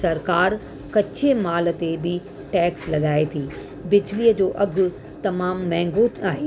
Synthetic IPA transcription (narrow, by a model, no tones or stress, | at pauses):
sɐɾkaːɾ | kɐt͡ɕʰemaːlə̆t̪ebɪ | ʈɛːkslɐɠaːet̪ʰiː | bɪd͡ʑliːəd͡ʑoːʔɐɡʊ | t̪ɐmaːmːɛ̃ːŋɡoaːɦeː